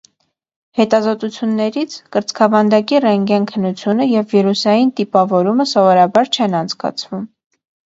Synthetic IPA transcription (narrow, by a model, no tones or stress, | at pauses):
hɛt̪ɑzɔt̪ut͡sʰjunːɛɾit͡sʰkəɾt͡skʰɑvɑnd̪ɑkirɛŋɡɛnkʰənːut͡sʰjunəjɛvːiɾusɑjint̪ipɑvɔɾuməsɔvɔɾɑbɑɾt͡ʃʰɛnɑnt͡sʰkɑ̰t͡sʰvum